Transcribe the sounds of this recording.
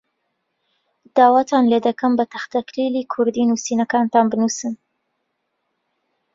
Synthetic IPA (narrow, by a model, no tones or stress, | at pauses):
d̪̥ɑːwɑt̪ʰɑnled̪ɐkɐmbɐt̪ʰɐxt̪ɐklilikʰʊɾd̪inusinakɑːnt̪ɑːnbɨnusɨn